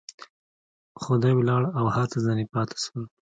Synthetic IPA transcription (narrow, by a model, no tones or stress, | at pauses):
xʊd̪ɑjwlɑɽawhat̪azɑnipɑt̪ʰḁʃwəl